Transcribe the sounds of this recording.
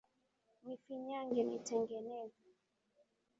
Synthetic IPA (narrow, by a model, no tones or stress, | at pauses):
mifiɲaŋɡɛnitɛŋɡɛnɛzu